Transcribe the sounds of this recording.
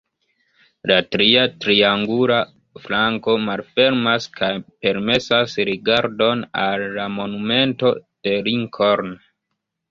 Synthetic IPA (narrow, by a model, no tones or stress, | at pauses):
latɾiatɾiaŋɡula | flaŋko̞malfe̞ɾmaskʰajpe̞ɾme̞sasɾiɡaɾdo̞nalːamo̞nume̞nto̞d̥e̞ɾiŋkʰoɾn